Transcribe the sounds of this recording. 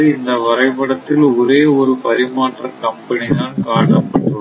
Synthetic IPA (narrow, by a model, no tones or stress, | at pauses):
ɪnd̪ɐʋɐɾɐɪpɐɽɐt̪ːɪlɔɾeːɔɾɯpɐɾɪmaːʈrɐkɐmpɐnɪðaːnkaːʈːɐpɐʈːɯ